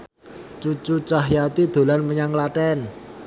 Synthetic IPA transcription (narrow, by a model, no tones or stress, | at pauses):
t͡ʃut͡ʃut͡ʃaɦjat̪id̪̥o̤lanməɲaŋlaʈɛn